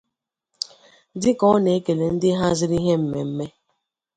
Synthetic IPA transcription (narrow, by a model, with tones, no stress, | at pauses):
dɪ˦kɔ˨˦ne˨e˦ke˨le˨n̩˦dɪ˦ɦa˦zɪ˦ɾi˦ɦe˦m̩˨me˨m̩˦me˦